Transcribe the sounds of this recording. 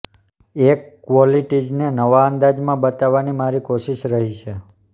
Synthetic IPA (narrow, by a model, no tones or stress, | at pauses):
ekːʋɔliʈid͡ʒnenəʋaənd̪ad͡ʒmãbət̪aʋːanimaɾikoʃiʃɾəɦit͡ʃʰe